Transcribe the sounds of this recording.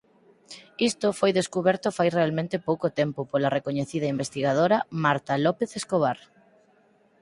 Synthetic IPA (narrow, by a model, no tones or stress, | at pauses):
ist̪ofojðeskuβɛɾt̪ʊfajrealmẽnt̪epowkot̪empʊpolarekoɲeθið̞ɐimbest̪iɣað̞oɾamaɾt̪alɔpeθeskoβ̞aɾ